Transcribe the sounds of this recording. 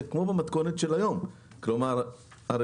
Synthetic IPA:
kmobamat̪konet̪ʃelajom | kloma | aɾ

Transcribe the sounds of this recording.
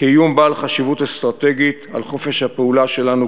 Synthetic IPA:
kijumbaːlχaʃivut̪est̪ʁat̪eɡit̪a̰lχo̞fe̞ʃhapeulaʃe̞lanu

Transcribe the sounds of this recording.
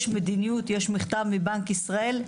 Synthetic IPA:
ʃmed̪inijut̪jeʃmiχt̪avmibaŋkisʁae̞l

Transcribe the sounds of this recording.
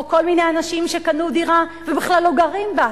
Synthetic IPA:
ko̞lminejanaʃimʃekanudiʁavebiχlalːoɡaʁimba

